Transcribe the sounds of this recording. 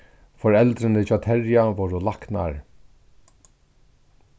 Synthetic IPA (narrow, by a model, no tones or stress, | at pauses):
fɔɹɛlt̪ɾɪnɪt͡ʃaːt̪ʰɛɹjaʋɔwɾʊlakna̰ɹ